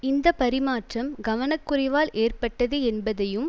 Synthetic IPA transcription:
ɪnd̪ɐpɐɾɪmaːʈrɐmɡɐʋɐnɐkːʊrɪʋaːlʔeːrpɐʈːɐðɯɛnbɐðɐjɯm

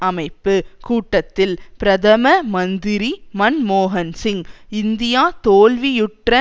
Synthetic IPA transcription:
ɐmɐɪpːɯkuːʈːɐt̪ːɪlpɪɾɐt̪ʰɐmɐmɐnd̪ɪɾimɐnmoːɦɐnsɪŋɪnd̪ɪjaːt̪oːlʋijʊʈrɐ

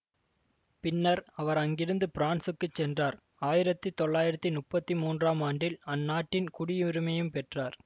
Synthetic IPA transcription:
pɪnːɐɾɐʋɐɾɐŋɡɪɾɯnd̪ɯpɪɾaːnsɯkːɯt͡ʃːɛndraːɾ | aːjɪɾɐt̪ːɯt̪ɔɭːaːjɪɾɐt̪ːinʊpːɐt̪ːimuːndraːmaːɳɖɪlɐnːaːʈːɪnkʊɽɪʊɾɯmɐjɯmpɛʈraːɾ

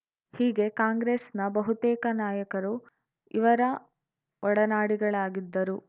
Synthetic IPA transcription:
hiːɡe̞kaːŋɡɾeːsnɐbɐɦut̪ɛːkɐnaːjɐkɐɾu | iʋɐɾɐ | ʋʔɔɽɐnaːɽiɡɐɭaːɡid̪ːɐɾu

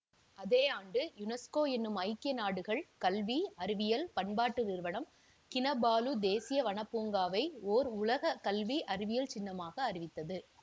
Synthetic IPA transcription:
ɐðeːaːɳɖɯjʊnɛskoːɛnːɯmɐɪkːɪjɐnaːɽɯɣɐɭkɐlʋiɐɾɪʋɪjɐlpɐɳbaːʈːɯʋɪɾɯʋɐɳɐm | kɪnɐbaːlud̪eːsɪjɐʋɐɳɐpːuːŋɡaːʋɐɪoːɾʊlɐɣɐkɐlʋiʔɐɾɪʋɪjɐlt͡ʃɪnːɐmaːɣɐːɾɪʋɪt̪ːɐðɯ

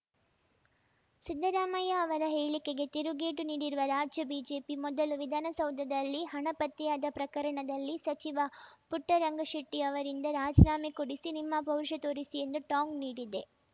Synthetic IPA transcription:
sid̪ːɐɾaːmɐjɐːʋɐɾɐɦeːɭikeɡe̞t̪iɾuɡeːʈuniːɽiɾuʋɐɾaːd͡ʒjɐbiːd͡ʒe̞ːpimɔd̪ɐluʋid̪ʱaːnɐsɐwd̪ʱɐd̪ɐlːiɦɐɳɐpɐt̪ːijaːd̪ɐpɾɐkɐɾɐɳɐd̪ɐlːisɐt͡ʃiʋɐpuʈːɐɾɐŋɡɐʃɐʈːiɐʋɐɾind̪ɐɾaːd͡ʒnaːmekoɽisinimːɐbʱɐwɾʃɐt̪oːɾisie̞nd̪uʈaːŋɡniːɽid̪e̞

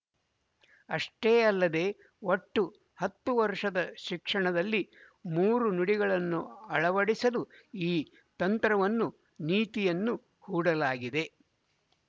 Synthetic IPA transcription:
ɐʂʈeːɐlːɐd̪e̞ː | o̞ʈːu | hɐt̪ːuʋɐɾʂɐd̪ɐʃikʂɐɳɐd̪ɐlːi | muːɾunuɽiɡɐɭɐnːuɐɭɐʋɐɽisɐluiː | t̪ɐnt̪ɾɐʋɐnːu | niːt̪ijɐnːu | huːɽɐlaːɡid̪e̞

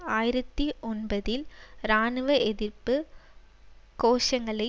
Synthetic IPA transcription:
aːjɪɾɐt̪ːiʔɔnbɐðɪlɾaːnɯʋɐʔɛðɪɾpɯ | koːʂɐŋɡɐɭɐɪ

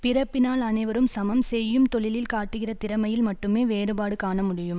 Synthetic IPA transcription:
pɪrɐpːɪnaːlɐnɐɪʋɐɾɯmsɐmɐmsɛjːɯmt̪ɔɭɪlɪlkaːʈːɯɣɪrɐt̪ɪɾɐmɐjɪlmɐʈːɯmeːʋeːɾɯbaːɽɯkaːɳɐmʊɽɪjɯm

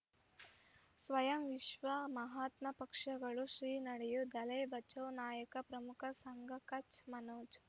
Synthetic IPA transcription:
sʋɐjɐmʋiʃʋɐmɐɦaːt̪mɐpɐkʂɐɡɐɭuʃɾiːnɐɽɛjud̪ɐlɐjbɐt͡ʃɐwnaːjɐkɐpɾɐmukʰɐsɐŋɡʱɐkɐt͡ʃmɐnoːd͡ʒ

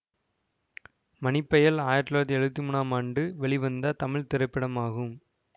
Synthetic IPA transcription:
mɐnɪpːɐjɐlaːjɐʈːlaːɐt̪ːɛɻɯʋɐt̪̬ːimuːnaːmaːɳɖɯʋɛɭɪʋɐnd̪ɐt̪ɐmɪɭt̪ɪɾɐɪpːɪɽɐmaːɣɯm

